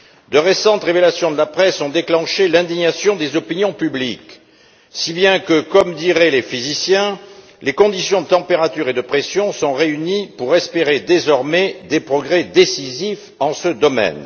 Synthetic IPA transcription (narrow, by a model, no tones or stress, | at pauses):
d̪əʁesɑ̃t̪ʁevelasjɔ̃d̪əlapχɛsɔ̃d̪eklɑ̃ʃelɛ̃d̪iɲasjɔ̃d̪ezɔpinjɔ̃pyblik | sibjɛ̃kəkɔmd̪iʁɛlefizisjɛ̃ | lekɔ̃d̪isjɔ̃d̪ət̪ɑ̃peʁat̪yʁed̪əpχesjɔ̃sɔ̃ʁeynipuʁɛspeʁed̪ezɔʁmɛd̪epχɔɡʁɛd̪esizif | ɑ̃səd̪ɔmɛ̰n